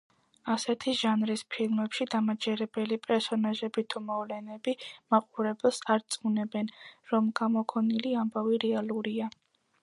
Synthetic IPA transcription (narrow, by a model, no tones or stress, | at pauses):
asɛt̪ʰiʒanɾispʰilˠmɛpʃid̪amad͡ʒɛɾɛbɛlipʼɛɾsɔnaʒɛbit̪ʰumɔvlɛnɛbimaqʼuɾɛbɛlˠsaɾt̪sʼunɛbɛnɾɔmɡ̥amɔkʰɔniliambaviɾɛalˠuɾia